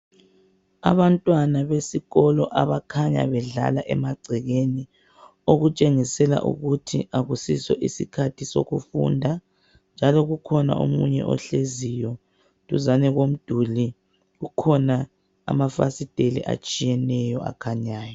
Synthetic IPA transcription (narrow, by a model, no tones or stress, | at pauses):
a̰βantʼwanaβesiɣɔlɔʔaβakʰaɲa̰βɛɮa̰laʔɛ̰maɡ͡ǀʱɛɣeni | oɣut͡ʃʼeŋisɛla̰ʔṵɣutʰḭʔaɣusisɔʔisikʰatʰiso̰ɣufṵndʱa | nd͡ʒʱalɔɣukʰɔna̰ʔo̰mṵɲɛ̰ʔɔ̰ɬezijɔ | tuzanɛɣom̩d̥ʱuli | ɣukʰɔna | a̰mafasid̥ʱelḭʔa̰t͡ʃʼijɛnɛjɔʔa̰kʰaɲaːjɔ